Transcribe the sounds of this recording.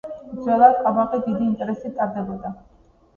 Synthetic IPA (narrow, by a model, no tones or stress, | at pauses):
d̪zwɛlˠad̪tʰʼabaqʼid̪id̪iːnt̪ʼɛɾɛsit̪ʼaɾd̪ɛbɔd̪a